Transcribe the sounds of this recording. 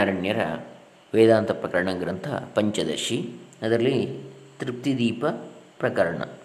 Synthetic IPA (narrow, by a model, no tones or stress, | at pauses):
aːɾɐɳjɐɾɐ̰ | ʋeːd̪aːnt̪ɐpɾɐkɐɾɐɳɐɡɾɐnt̪ʰɐ̰pɐɲt͡ʃɐd̪ɐ̰ʂiɐd̪ɐɾɐlːit̪ɾip̚t̪id̪iːpɐpɾɐkɐɾɐɳɐ̰